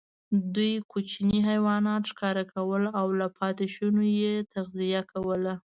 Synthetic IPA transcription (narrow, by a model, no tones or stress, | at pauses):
d̪ujkot͡ʃniɦajwɑnɑt̪ʃkɑɾakawəlawlapʰɑt̪ɪʃunojet̪aɣzijakawəla